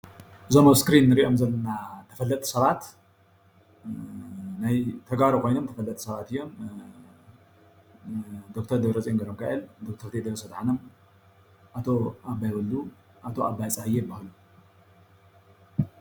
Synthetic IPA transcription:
ɨzomoskɾinːɨɾiʔo̞mzɐlːɐnat̪ʰɐ̥fɐlːɐt̪ʼsɐβat̪ | najt̪ʰɐɡβaɾukʰo̞jnomt̪ʰɐfɐlːɐt̪ʼsɐβat̪ɨjːo̞m | d̪o̞k̚t̪ʰɐɾd̪ɐβɾɐt͡sʼeŋɡɐɾomkʰaʔɨld̪ok̚t̪ʰɐɾt̪ʰed̪ɐβɾɐsɐd̪ħanɐm | ʔat̪ʰo̞abːajbɐlːu | ʔat̪ʰo̞abːajt͡sʼahɨjːejɨbːahlu

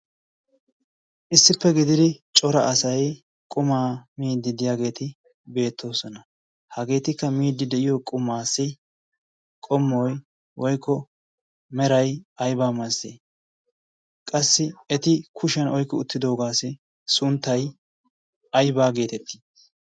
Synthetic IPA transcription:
ʔɪsːɪpːɛɡɪd̪ɪd̪ɪt͡ʃʼɔɾɐʔɐsɐj | kʼʊmaːmiːd̪ːɪd̪ɪjaːɡe̞ːt̪ɪ | be̞ːt̪ʰːo̞ːsɔnɐ | hɐɡe̞ːt̪ɪkːɐmiːd̪ːɪd̪ɛʔɪjokʼʊmːaːsːɪ | kʼɔmːɔj | wɔjkʰːɔ | mɛɾɐjɐjbaːmɐseː | kʼɐsːɪɛt̪ɪkʰʊʃɐnɔjkːɔʊt̪ːɪd̪o̞ːɡaːsɪ | sʊnt̪ːɐj | ʔɐjbaːɡe̞ːt̪ɛt̪ːɪ̥

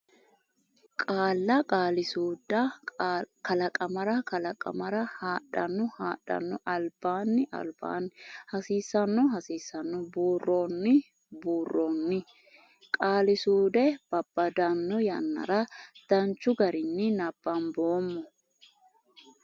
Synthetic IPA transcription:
kʼaːlːɐkʼaːlɪsuːd̪ɐ | kɐlɐkʼɐmɐɾɐkɐlɐkʼɐ̰mɐɾɐhaːᶑɐnːʊhaːᶑɐ̰nːɔʔɐlb̥aːnːɪʔɐ̰lb̥a̰nhɐsiːsːɐnːɔɦɐsiːsːɐnːʊbuːrːoːnːɪ | buːrːoːnːɪ | kʼaːlɪsuːd̪ɛb̥ɐb̥ːɐd̪ɐnːɔjɐnːɐ̰ɾɐd̪̥ɐnt͡ʃːʊɡɐɾɪnːɪnɐb̥ːanboːmːɔ

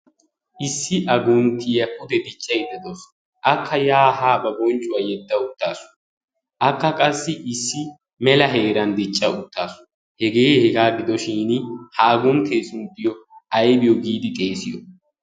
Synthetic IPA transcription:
ʔɪsːɪʔɐɡʊnt̪ːɪjɐʔʊd̪ɛd̪ɪt͡ʃʼːɐjd̪ɐd̪os | ʔɐkːɐjaːɦaːbɐbɔnt͡ʃʼːʊwaːjɛd̪ːɐʊt̪ːaːsʊ̥ | ʔɐkːɐkʼɐsːɪʔɪsːɪ | mɛlɐɦe̞ːɾɐnd̪ɪt͡ʃʼːɐʊt̪ːaːsʊ̥ | hɛɡe̞ːhɛɡaːɡɪd̪ɔʃiːnhaːɡʊnt̪ʰeːsʊnd̪ɪjɔɐjbɪjɔɡiːd̪ɪt̪ʼe̞ːsɪjɔ

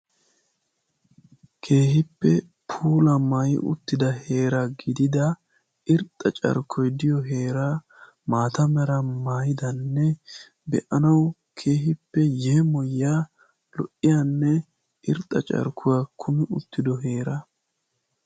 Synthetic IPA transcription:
kʰe̞ːhɪpːɛ | pʰuːlɐmaːjɪ̰ʔʊ̰t̪ːɪd̪ɐhe̞ːɾaɡɪd̪ɪd̪ɐ | ɪɾt̪ʼːɐt͡ʃʼɐ̰ɾkʰːɔjd̪ɪjɔɦe̞ːɾaː | maːt̪ɐmɛɾɐmaːjɪd̪ɐnːɛ | bɛ̰ʔɐnɐw | kʰe̞ːɦɪpːɛjɛmɔjːaː | lɔʔːɪjanːɛ | ʔɪɾt̪ʼːɐt͡ʃʼɐ̰ɾkʰːʊwakʰʊmɪʊt̪ːɪd̪ɔɦe̞ːɾɐ

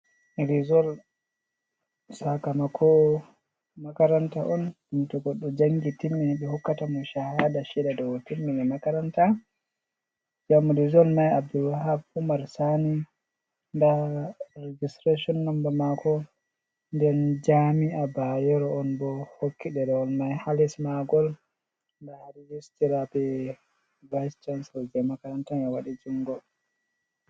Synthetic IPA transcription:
ɾizɔl | sakamakʰɔ | makaɾantaʔɔn | intɔɡɔɗːɔd͡ʒaŋɡitimːɛɓɛhɔkːatamɔʃahadaʃɛdadɔwɔtimːɛɛmakaɾanta | d͡ʒamuɾizɔlnajab̚dulwaɦabumaɾsani | ndaɾed͡ʒistɾeʃɔnːambamakʰɔ | ndɛnd͡ʒamiabajɛɾɔɔnbɔhokʰːiɗɛɾɔɔlmajhalismaɡɔl | ndaɾid͡ʒistiɾabɛ | bajst͡ʃansɛld͡ʒɛmakaɾantanɛwaɗid͡ʒuŋɡɔ

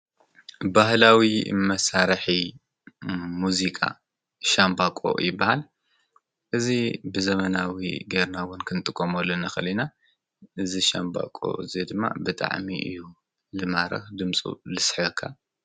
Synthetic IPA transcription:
bahlawimɐsaɾħi | muzikʼa̰ | ʃambakʼo̞̰jɪbːahal | ʔɨzibɨzɐmɐnawḭɡeɾnawʊnkʰɨnt̪ʼɨkʼːomolːɐnɐxɐlina | ʔɨziʃa̰mba̰kʼo̰ɨzed̪ɨmːa̰bɨt̪ʼa̰ʕmiʔɨ̰jːu | lɨmaɾɐ̰xd̪ɨmt͡sʼṵlɨsħɨkʰːa

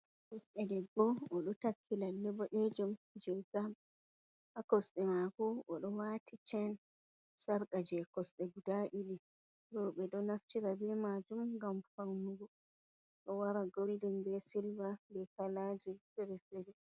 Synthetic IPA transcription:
kɔsɗɛdɛɡːɔɔɗɔtakʰːilalːɛbɔɗed͡ʒumd͡ʒɛɡam | ʔakɔsɗɛmakɔʔɔɗɔwatʰit͡ʃɛn | saɾkad͡ʒɛkɔsɗɛɡudaʔili | ɾɔɓɛɗɔnaftiɾabɛmad͡ʒumɡamfawnuɡɔ | ɗɔwaɾaɡoldɛnbɛsilvabɛkalad͡ʒifɛɾɛfɛɾɛ

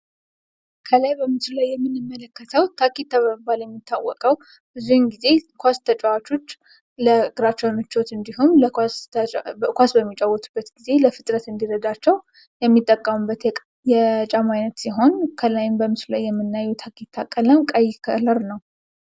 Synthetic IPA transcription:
kʰəlajbəmɨslulajːɛmːɨnːɨmːələkːət̪ʰəwt̪ʰakit̪ʰːaβəməbaljɛmːit̪ʰːawːɔkʼəw | bɨzuhmɡize̞kʰʷast̪ʰət͡ʃʼawat͡ʃo̞t͡ʃː | ləɡɨɾat͡ʃːɛwnɨt͡ʃːot̪ɨnd̪ihɦumləs | kʷasbəmːit͡ʃʼawɔt̪ʼubːət̪ɡize̞ləfɨt̪ʼɾət̪ɨnd̪iɾəd̪at͡ʃːɛw | jɛmːit̪ʼːəkʼːəmubːət̪ | jɛt͡ʃʼamajnət̪siɦo̞nkʰəlajɪmbəmɨslulajːɛmːɨnːajːɛt̪ʰakʰit̪ʰːakʼːələmkʼəjːkʰə̰ləɾnəw

